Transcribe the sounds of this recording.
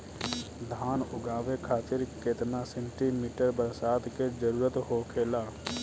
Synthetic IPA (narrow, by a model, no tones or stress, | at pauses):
d̪ʱaːnʊɡaːʋekʰaːt͡ʃɪɾket̪nasẽɳʈimiːʈəɾbəɾsaːd̪ked͡ʒəɾuːɾət̪ɦokʰeːlaː